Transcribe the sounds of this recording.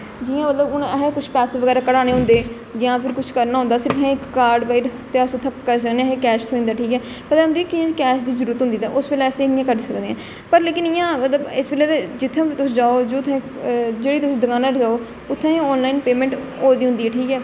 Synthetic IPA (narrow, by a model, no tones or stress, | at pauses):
d͡ʒɪːãːmət̪ləbʊnɦekʊt͡ʃʰpɛːseːʋəɡɛːɾaːkəɽaːneːɦʊ̃nd̪eː | d͡ʒãːpʰɪɾkʊt͡ʃʰkəɾnaːɦʊ̃nd̪aːsɪɾpɛ̃ːɪkːaːɾɖbaiɾt̪easot̪ʰːãkkːəɾsəkneãːɦẽkɛːʃt̪ʰoĩːnd̪aːʈʰiːkɛː | pət̪ɛʊnd̪iːkɪãːkɛːʃd̪iːzəɾuːɾət̪ɦnd̪iːt̪a̰ːʔʊsʋeːlɛːəsẽːɪjãːkəɾsəkd̪eːãː | pəɾleːkɪnɪjãːmət̪ləbɪsbeːlɛːt̪ed͡ʒɪt̪ʰːẽːit̪ʊsːd͡ʒaːoːd͡ʒoːt̪ʰẽː | d͡ʒeːɽiːt̪ʊsĩːd̪əkãːnaːɾd͡ʒaːoː | ʊt̪ʰːẽːɔːnlaːinpeːmɛ̃ːɳʈoːd̪iːɦʊ̃nd̪iːɛːʈʰiːkɛː